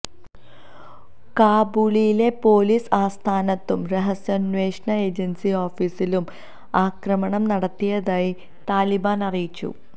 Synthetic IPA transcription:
kaːbuɭijile̞po̞ːliːsaːst̪ʰaːnɐt̪ːumreɦɐsjɐnʋeːʂɳɐe̞ːd͡ʑɐnsioːfiːsilum | aːkrɐmɐɳɐmnɐɽɐt̪ːijɐðaːji | t̪aːlibaːnɐrijit͡ɕːṵ

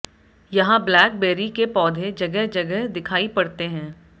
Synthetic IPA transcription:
jɐɦãblɛːk̚beːɾikepɔːd̪ʱed͡ʒɐɡəɦd͡ʒɐɡəɦd̪ɪkʰaːipɐɽt̪eɦɛ̃ː

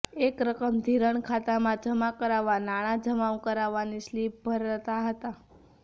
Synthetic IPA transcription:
ekɾəkəmd̪ʱiɾəɳkʰat̪amãd͡ʒəmakəɾaʋanaɽ̃ãd͡ʒəmaʋkəɾaʋanislip̚bʱəɾət̪aɦət̪a

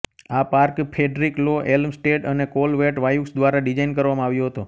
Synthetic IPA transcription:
apaɾkpʰeɖɾikloʔelmsʈeʈənekolʋeʈʋajuksd̪ʋaɾaɖid͡ʒainkəɾʋamãaʋjoɦət̪o

